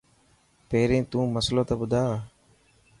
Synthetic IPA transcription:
peːɾẽːt̪ũːməslõːt̪ãːɓʊd̪ʱaː

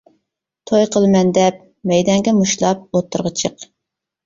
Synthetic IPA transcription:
t̪ʰojqʰəlˠɨmɛnd̪ɛp | mɛjd̪ɑŋɡʲɛmuʃlˠɑp̚ot̪ʰːʊɾʁət͡ʃʰəq

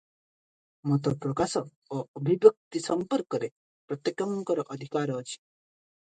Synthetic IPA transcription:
mɔt̪ɔpɾɔkasɔ | oːbʱibjʌk̚t̪isɔmpɔɾkɔɾe | pɾɔt̪jekɔmkɔɾɔʔɔd̪ʱikaɾɔːt͡ʃʰi̥

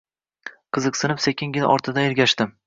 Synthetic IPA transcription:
qʰɨzɨqsɨnɪpsekʲʰɪŋɡʲɪnʔɒ̰ɾt̪ʰɪd̪aeɾɡʲaʃt̪ɪm

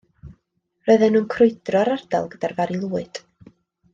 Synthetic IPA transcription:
rɔɨðɛnːuːnkʰrʊɨd̥rɔɾarda̰lˠɡəd̥arvaɾilˠuːɨd̥

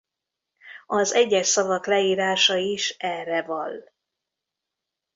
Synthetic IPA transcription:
ɒzɛɟːɛʃsɒvɒklɛiːɾaːʃɒiʃɛrːɛvɒl

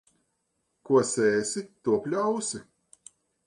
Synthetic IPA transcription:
kuɔsɛːsit̪uɔpʲlʲawsi

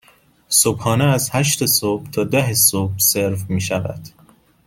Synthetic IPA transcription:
sobhɒːneæzhæʃt̪esob̥t̪ʰɒːd̪æɦesob̥̚seɾfmiːʃævæ̰d̪̥

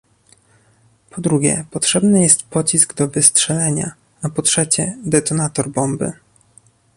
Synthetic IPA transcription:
pʰɔd̪ɾuɡʲɛ̰pɔtʂɛbnɘjɛst̪pɔt͡ɕisɡd̪ɔvɘstʂɛlɛɲa̰ | apɔtʂɛt͡ɕɛd̪ɛt̪ɔnat̪ɔɾbɔmbɘ̰

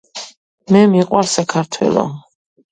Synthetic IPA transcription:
mɛmiqʼwaɾsakʰaɾt̪ʰwɛ̰lˠɔ̰

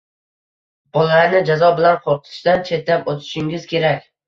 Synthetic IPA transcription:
b̥ɒlalaɾnɪd͡ʒazɒbɪlanqʰoɾt̪ʰɪ̥ʃd̪ant͡ʃʰe̞t̪lapot̪ʰɪ̥ʃɪŋʲɪzkʲʰe̞ɾakʲ

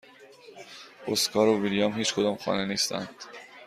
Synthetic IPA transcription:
oskʰɒːɾoviljɒmhiːt͡ʃkʰod̪ɒːmxɒ̰ːneniːst̪æ̰nd̪̥

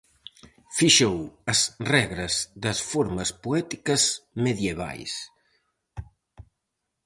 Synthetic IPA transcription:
fiʃowɐsrɛɣɾɐzðɐsfoɾmɐspuɛt̪ikɐzmeðjeβ̞a̰js

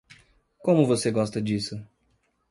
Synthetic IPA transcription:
kõmʊvoseɡɔst̪ɐd͡ʒisʊ

